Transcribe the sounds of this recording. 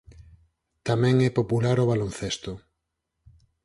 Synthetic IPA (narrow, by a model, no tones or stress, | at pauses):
t̪amɛ̃ŋɛpopulaɾoβalonθest̪o